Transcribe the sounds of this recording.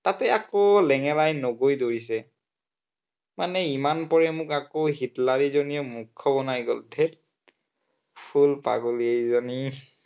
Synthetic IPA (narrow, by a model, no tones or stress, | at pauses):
tatɛakolɛŋɛlajnoɡojdoɹisɛ | manɛimanpɔɹɛmʊkakoɦitlaɹizoniɔmukʰːɔbɔnajɡɔltʰɛt̚ | pʰulpa̰ɡoliezɔni